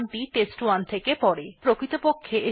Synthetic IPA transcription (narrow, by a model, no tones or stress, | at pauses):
mʈiʈesʈuwant̪ʰekepɔɾepɾokɾit̪opokʰːeʔe